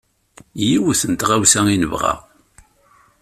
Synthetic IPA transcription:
jiwəθənt̪ʁæwsæŋinəvʁa̰

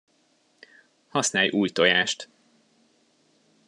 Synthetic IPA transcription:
hɒsnaːjʔuːjt̪ojaːʃt̪

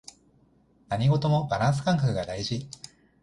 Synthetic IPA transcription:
naɲ̟iɡo̞t̪o̞mo̞baɾãɰ̃s̬ɨ̥kãŋkakɯ̟ɡad̪aiʑi

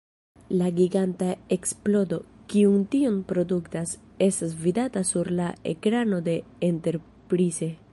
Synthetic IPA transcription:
laɡiɡantae̞ksplo̞do̞kiuntionpɾo̞duktas | e̞stasvidatasuɾlae̞̰kɾano̞de̞ente̞ɾ | pɾize̞

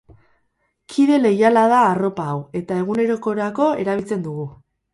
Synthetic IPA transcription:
kʰiðe̞le̞jalað̞aːro̞paːwe̞t̪ae̞ɣ̞une̞ɾo̞ko̞ɾako̞e̞ɾaβilt͡se̞nd̪uɣu

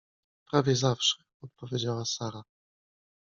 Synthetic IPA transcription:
pɾavʲjɛzafʂɛ̥ | ɔt̪̚pɔvʲjed͡ʑawasaɾa

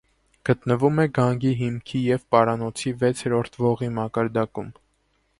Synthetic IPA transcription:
ɡ̥ət̪nəvumɛɡɑŋɡiɦimkʰijɛvpɑɾɑnɔt͡sʰivɛt͡sʰɛɾɔɾt̪ʰvɔʁimɑkɑɾd̪ɑkum

